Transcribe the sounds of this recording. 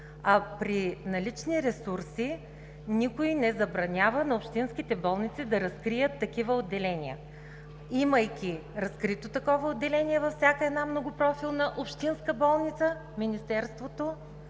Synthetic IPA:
ɐpɾinɐlit͡ʃniɾɛsuɾsi | nikoinɛzɐbɾɐnʲavənɐopʃt̪inskit̪ɛbɔlˠnit̪sid̪ɐɾɐskɾijət̪ːɐkivəod̪ːɛlɛnʲiə̰ | iməjkʲiɾɐskɾit̪ot̪ɐkɔvəod̪ːɛlɛniɛvɐfsʲjakəɛd̪namnoɡʊpɾɔfilˠnɐʔopʃt̪inskəbɔlˠnit̪sə | minist̪ɛɾst̪vot̪o

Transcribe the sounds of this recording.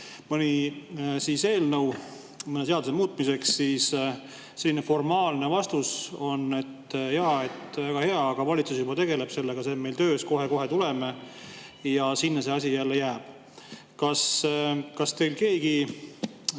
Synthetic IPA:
mɯnʲisiːse̞ːlnəw | mɤnet̪e̞ɑd̪usemuːt̪̚ːˑmise̞ksːiːs | se̞lːinefo̞rmɑːlne̞vɑst̪uso̞ne̞t̪ːjɑe̞t̪ːvæɡ̥ɑhe̞ɑːɡ̥ɑvɑlʲit̪susjubɑt̪e̞ɡe̞le̞b̥se̞lːeɡ̥ɑseme̞jlt̪ø̞ːsko̞ɦe̞ko̞ɦe̞t̪uleme | jɑsinːese̞ɑs̬ʲijælːejæːb̥ | kɑskɑst̪e̞lke̞ːɡi

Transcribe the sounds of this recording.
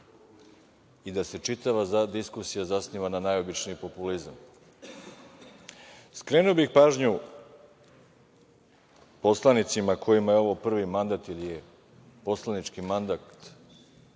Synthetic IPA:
id̪ase̞t͡ʃit̪aʋazad̪iskusijazasniːʋananajobit͡ʃniipo̞pulizam | skɾe̞ːnuobixpaːʒɲu | po̞slˠanit̪simakʰo̞jimajeo̞ʋopr̩ʋimand̪at̪ilije | po̞slˠanit͡ʃkimand̪at̪

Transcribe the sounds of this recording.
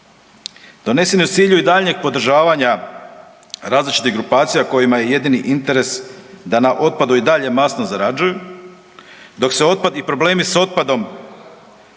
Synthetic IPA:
d̪̥o̞ne̞seniut̪siːʎuid̪aʎɲe̞ɡ̚po̞d̪ɾ̩ʒaːʋaɲa | ɾaːzlit͡ʃit̪iɣɡɾupaːt̪sijako̞jimaje̞je̞d̪iniʔint̪e̞ɾe̞sd̪anaʔo̞t̪̚pad̪uid̪aʎe̞masnozaɾad͡ʒuju | d̪o̞kse̞o̞t̪̚pad̪ipɾo̞ble̞ːmiso̞t̪̚pad̪o̞m

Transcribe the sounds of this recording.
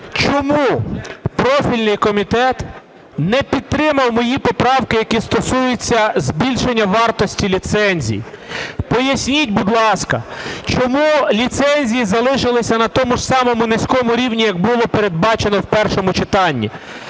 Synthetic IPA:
t͡ʃɔmupɾɔfʲilʲnɪjkɔmʲit̪ɛt̪ | nɛpʲid̪̚t̪ːɾɪmɐwmɔjipɔpɾɑwkɪjɐkist̪ɔsujʊt͡sʲːɐzbʲilʲʃenʲːɐʋɑrt̪ɔsʲtʲilʲit̪sɛnʲzʲḭjḭ | pɔjɐsʲnʲitʲbʊd̪lˠɑskɐt͡ʃɔmulʲit̪sɛnʲzʲijizɐlˠɪʃɪlˠɪsʲɐnɐt̪ɔmʊʒsɑmɔmʊnesʲkɔmʊɾʲiwnʲijɐɡ̚bʊlˠɔpeɾe̞d̪̚bɑt͡ʃenɔwpɛrʃɔmʊt͡ʃɪt̪ɑnʲːḭ

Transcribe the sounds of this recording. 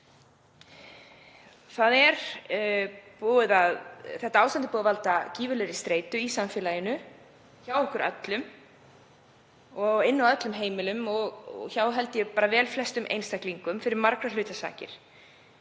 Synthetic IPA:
θaðɛɾ̥ | poːðɪðaðθɛht̪aawst̪ant̪ɪ̥puːðavalt̪aciːvʏlɛɾɪst̪ɾeːjt̪ʏisamfɛːlajɪnʏ | çawɔhkʏɾʔœ̰t̪lʏm | ɔɣɪnːawœt̪lʏmɦeːjmɪlʏmɔɣɣçawɦɛl̪t̪ɪjɛpaːɾavɛːlflɛst̪ʏmʔḛjnst̪ahkliŋkʏmfɪɾɪɾmaɾkɾalʏːt̪asa̰ːcɪ̰ɾ̥

